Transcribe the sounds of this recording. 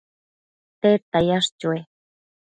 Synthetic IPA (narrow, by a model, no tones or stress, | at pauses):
t̪et̪ajaʂt͡ɕue